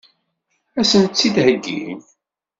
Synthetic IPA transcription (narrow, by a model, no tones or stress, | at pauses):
æsənt͡sːid̪ɦəɡːḭm